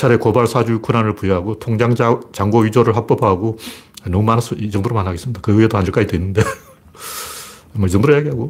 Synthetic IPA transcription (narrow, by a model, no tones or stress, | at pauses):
t͡ɕʰaɾe̞kobaɭsʰad͡ʑukʰunanɯɭpujʌɦaɡotʰoŋd͡ʑaŋt͡ɕaŋɡoɥid͡ʑoɾɯɭɸak̚p͈ʌbaɦaɡoanʌmumanas͈ʌid͡ʑʌŋdoɾomanɦaɡesɯmɲid̥akɯɯedohaɲɯɭk͈ad͡ʑidwenːɯnde̞ | mʌid͡ʑʌŋdoɾojeɡiɦaɡo